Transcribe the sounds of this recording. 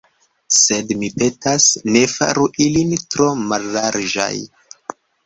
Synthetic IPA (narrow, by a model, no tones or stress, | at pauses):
se̞dmipe̞tasne̞fa̰ɾuʔilintɾo̞malːaɾd͡ʒa̰j